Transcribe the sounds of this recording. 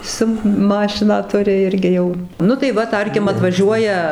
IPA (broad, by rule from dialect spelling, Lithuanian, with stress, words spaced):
ˈsʊ ˈmɑːʃʲɪnɑː ˈtʊrʲɪ ˈɪrʲɡʲɪ jɛʊ ˈnʊ tɐɪ ˈʋɐ ˈtɐrʲkʲɪm ɐtʋɐˈʒʲuɔjɛ